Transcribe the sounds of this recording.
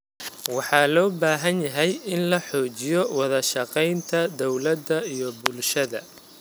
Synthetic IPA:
wɑħɑːlɔːbaːɦɐnjɐɦɛjɪnlɐħɔːt͡ʃɪjɔwɑðɐʃɑqɛjnt̪ʰɐd̪ɔwlɐd̪ːɐijɔbʊlʃɐðɐ̰

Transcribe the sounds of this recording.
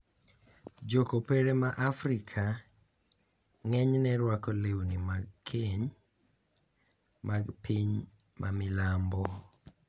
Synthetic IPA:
d͡ʒokopeɾemaʔafɾikʰa | ŋɛɲnɛɾwakɔlewnimaɡ̚kʰeɲ | maɡpiɲ | mʔamɪlambɔ

